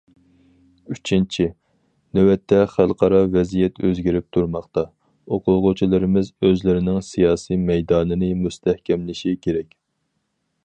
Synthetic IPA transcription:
yt͡ʃʰint͡ʃʰi | nɛwɛt̪ʰːɛχælˠqɑɾɑvɛzijɛt̪ʰøzɡʲiɾɪp̚t̪ʰuɾmɑχt̪ɑ | oqʰʊlˠʁʊt͡ʃʰilˠɨɾɪmɪzøzlɪɾɪnɪŋsijɑːsijmɛjd̪ɑːnɨnɪmust̪ʰɛhkʲɛmlɪʃikʲʰeɾɛkʲ

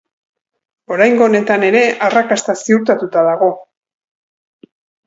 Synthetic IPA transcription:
o̞ɾajŋɡo̞ːne̞t̪ane̞ɾe̞ʔarakast̪asiuɾt̪at̪ut̪aðaɣo̞

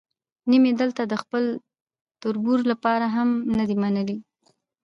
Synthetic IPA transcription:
nimed̪əlt̪ad̪əxpəl | t̪ʊɾbuɾlapɑɾaɦamnəd̪imanəli

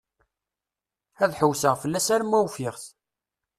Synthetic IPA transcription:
æðħəwsəʁfəlːæsæɾmːæwfɪʁθ

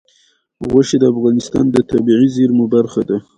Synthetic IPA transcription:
ɣwaʃed̪əafɣɑnɪst̪ɑ̰nd̪ət̪abiʕizeɾmʊbaɾxad̪a

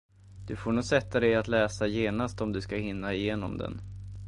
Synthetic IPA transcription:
d̪̥ɵfoːɳuːsɛt̪ːad̪ɛjat̪lɛːsajeːnast̪ɔmd̪ɵskahɪnːaɪjeːnɔ̰md̪ɛ̰n

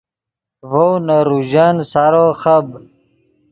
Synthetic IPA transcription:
vownaɾuʑansaɾoxɐb

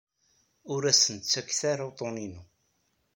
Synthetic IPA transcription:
ʊɾæsənt̪t͡sːækːθaɾawt̪ˤoninu

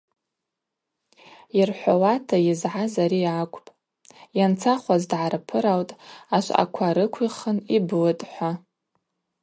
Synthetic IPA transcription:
irħʷawatʰajɪzʕazaɾiakʷʼpʼ | jant͡sʰaχʷazdʕaɾapʰɨɾawtʼaʃʷa̰kʷʰaɾɨkʷʰiχənibɨlɨtʼħʷa

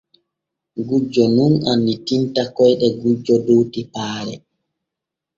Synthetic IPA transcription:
ɡud͡ʒɔnunanːitintakɔjɗɛɡud͡ʒːɔdowtipaːɾɛ̰

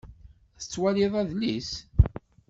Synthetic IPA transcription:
θət͡sːwæliðˤæðlis

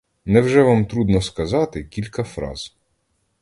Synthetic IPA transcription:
nɛwʒɛʋɑmt̪ɾud̪nɔskɐzɑt̪ɪkʲilʲkɐfɾɑ̰z̥

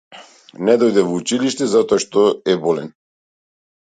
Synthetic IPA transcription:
nɛd̪ɔjd̪ɛvɔut͡ʃiliʃt̪ɛzat̪ɔaʃt̪ɔɛbɔlɛn

